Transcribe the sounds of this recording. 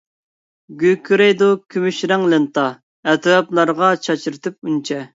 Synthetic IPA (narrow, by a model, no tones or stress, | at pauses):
ɡʲykʰɾejd̪okʲʰymyʃɾɛŋlɨnt̪ɑ | ɛt̪ɾɑplˠɑɾʁɑt͡ʃʰɑt͡ʃʰiɾɨt̪ʰɨp̚unt͡ʃʰɛ